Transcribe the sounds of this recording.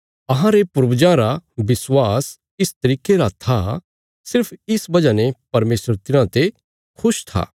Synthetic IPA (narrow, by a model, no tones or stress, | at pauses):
ɐɦãɾepʊɾbd͡ʒãɾabɪswaːs | ɪst̪ɐɾiːkeɾat̪ʰa | sɪɾpʰɪsbɐd͡ʒanepɐɾmeːsəɾt̪ɪɾ̃ãt̪e | kʰʊʃt̪ʰa̰ː